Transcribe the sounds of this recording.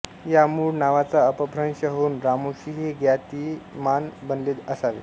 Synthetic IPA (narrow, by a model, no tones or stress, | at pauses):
jamuːɽnaʋat͡saəpəbʱɾəŋɕəɦonɾamoɕiɦeɡjat̪iːmanbənleːt̪əsaʋḛ